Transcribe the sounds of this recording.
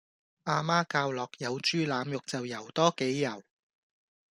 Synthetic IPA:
ʔaː˧maː˥kaː˧wlɔː˨k̚jɐ˨˧wt͡ʃyː˥laː˨˧mjʊ˨k̚t͡sɐ˨wjɐ˨˩wt̪ɔː˥ke˨˥jːɐ˨˩w

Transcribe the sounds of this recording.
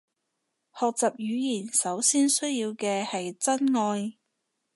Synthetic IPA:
hɔː˨k̚t͡sɐ˨p̚jyː˨˧jiː˨˩nsɐ˨˥wsiː˥nsɵ˥ɥjiː˧wkɛː˧hɐ˨jt͡sɐ˥nŋɔː˧j

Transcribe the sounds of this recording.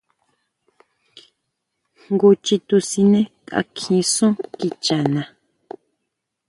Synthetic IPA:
ɡu˧t͡ʃi˧t̪u˧sĩ˧nẽ˦kʼa̰˧kʰĩ˧sũ˦ki˧t͡ʃa˨nã˨

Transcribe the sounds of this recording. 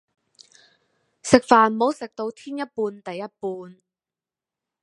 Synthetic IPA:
sɪ˨k̚faː˨˩nmo˨˥wsɪ˨k̚t̪o˧wt̪ʰiː˥njɐ˥t̚puː˧nt̪ɐ˨jːɐ˥t̚puː˧n

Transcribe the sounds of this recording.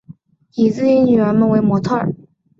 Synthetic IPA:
i˨˩t͡sɹ̩˥˩i˥nny˨˩ɥə˧˥nmə˧˦nwe˧˥ɪmwɔ˧˥t̪ʰɔ˥˩ə̰˨˩˦

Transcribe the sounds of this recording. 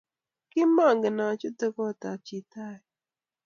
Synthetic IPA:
kɪ˦ma˦˨ŋɡə˨na˨t͡ʃu˦t̪ə˦kɔ˦˨t̪a˨t͡ʃi˨t̪a˦˨

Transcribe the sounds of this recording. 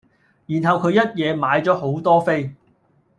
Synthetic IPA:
jiː˨˩nɦɐ˨wkʰɵ˨˧ɥjɐ˥t̚jɛː˨˧maː˨˧jt͡sɔː˨˥ɦo˨˥wt̪ɔː˥fe˥j

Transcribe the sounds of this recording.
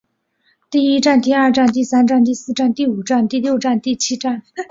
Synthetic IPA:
t̪i˥˩i˥ʈ͡ʂa˥˧nt̪i˥˧ɐ˞˥˧ʈ͡ʂa˥˧nt̪i˥˩sa˥nʈ͡ʂa˥˧nt̪̬i˥˩˧sɹ̩˥˧ʈ͡ʂa˥˧nt̪i˥˩u˨˩ʈ͡ʂa˥˧nt̪i˥˧ljo˥˧ʊʈ͡ʂa˥˧nt̪i˥˩t͡ɕʰi˥ʈ͡ʂa˥˩n

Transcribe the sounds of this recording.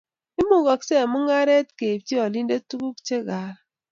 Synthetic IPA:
i˦mu˦ɡɔ˨kse˦˨mu˦ŋa˦ɾe˦tke˨p̚ti˦ɔ˨li˦n˦de˦tu˦ɡu˦kt͡ʃe˦ɣa˨ɾ

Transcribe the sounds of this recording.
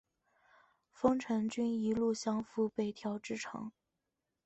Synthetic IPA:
fɤ˥ŋʈ͡ʂʰɤ˧˥ŋt͡ɕy˥ni˧˥lu˥˩ɕjɑ˥ŋfu˥pe˨˩ɪt̪ʰjɑ˧˥ʊʈ͡ʂɻ̩˥˩ʈ͡ʂʰɑ̰˧˥ŋ

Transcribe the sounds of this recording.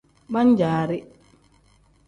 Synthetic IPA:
ɓa˦ɲd͡ʒaːɾi˦

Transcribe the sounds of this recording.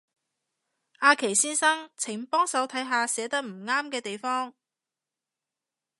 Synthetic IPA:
ʔaː˧kʰe˨˩jsiː˥nsɐ˥ŋt͡sʰɪ˨˩ŋpɔː˥ŋsɐ˨˥wt̪ʰɐ˨˥jɦaː˧sɛː˨˧t̪ɐ˥k̚m̩˨˩ŋaː˥mkɛː˧t̪e˨jfɔː˥ŋ

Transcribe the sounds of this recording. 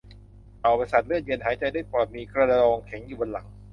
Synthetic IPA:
ʔa˨˩wba˧nsa˨˩lɯ˥˩je˧nɦaː˩˦jt͡ɕa˧jdaː˥˩jpɔː˨˩t̪̚miː˧kʰɾa˧la˧lɔː˧ŋkʰe˩˦ŋjuː˨˩bo˧nla˩˦ŋ

